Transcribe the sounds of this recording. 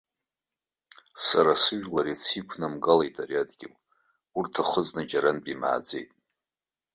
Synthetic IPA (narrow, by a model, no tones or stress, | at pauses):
saɾasɨʒᶣlaɾit͡sʰikʷʰnamɡalejtʼaɾiadɡʲɪ̰l | urtʰaχəznad͡ʒaɾanbʼima̰ːd͡zḛjtʼ